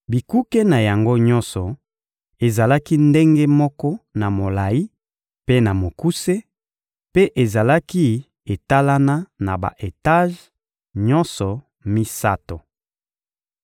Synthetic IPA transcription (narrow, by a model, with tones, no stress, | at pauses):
bi˨ku˦ke˦na˨ja˨ŋɡo˦ɲɔ̃˦nsɔ˨ | e˨za˨la˦ki˦nde˦ŋɡe˦mɔ˦kɔ˦na˨mo˨la˨ji˦ | pe˦na˨mo˨ku˦se˦ | pe˦ʔe˨za˨la˦ki˦ | e˨ta˦la˦na˦na̰˨ba̰˨ʔe˨ta˦ʒ | ɲɔ˦nsɔ˨ | mi˦sa̰˦to˨